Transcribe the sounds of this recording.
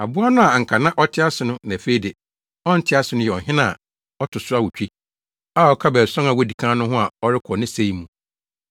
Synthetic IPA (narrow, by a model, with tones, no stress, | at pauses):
a˨bʊ˦a˦nʊ̃˦a˨ŋ̩˨kʰa˨nã˦ʔɔ˦tʰɪ˦a˦sʊ˨nʊ̃˦nã˨fe˦i˦de˨ | ɔ̃˦n̩˦tʰɪ˦a˦sʊ˨nʊ̃˦jɛ˨ɔ˨ɦɪ̃˦nã̰˦˨ | ɔ˦tʰʊ˨sʊ˦a˦wʊ˨t͡ɕᶣi˦ | a˦˨ɔ˦kʰa˦bɛː˨ɾsɔ̃˦ŋa˨wɔ˦di˨kʰãː˦nʊ̃˦ɦʊ̃˦a˨ɔ˦ɾɪ˦kʰɔ˨nɪ̃˦se˦i˦mũ˨